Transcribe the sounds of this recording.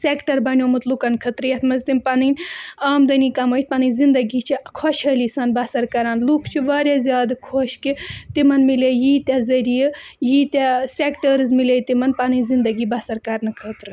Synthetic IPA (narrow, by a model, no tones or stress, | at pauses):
sekʈɐɾbɐnʲjoːmɨt̪lukɐnkʰɐt̪ɾɨjɐt̪ʰmɐzt̪inpɐnɨnʲaːmd̪ɐnikɐmoːjt̪̚ʲpɐnɨnzind̪ɐɡiːt͡ʃʰikʰɔʃɦəlisaːnbɐsɐɾkɐɾaːnlukʰt͡ʃʰiʋaːɾʲazʲjaːd̪kʰoʃkit̪imɐnmilejiːt̪ʲazɐɾijəjiːt̪ʲasekʈəɾzmileːit̪imɐnpɐnɨnʲzind̪ɐɡiːbɐsɐɾkɐɾnɨkʰət̪ɾɨ